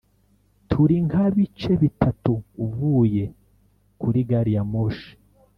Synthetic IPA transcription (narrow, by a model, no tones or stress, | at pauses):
tʰuɾiŋhaβit͡ʃe̞βitʰatuːvuːje̞ | kuɾiɡaɾijamoʃi̥